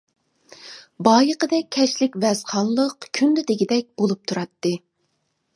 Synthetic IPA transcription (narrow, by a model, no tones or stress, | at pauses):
bɑːjəqəd̪ɛk̚ʲʰːɛʃlɪkʲvɛz̥qʰɑnlˠəqkʲʰynd̪ɪd̪eɡʲid̪ɛk̚ʲbolˠup̚t̪ʰuɾɑt̪ːɨ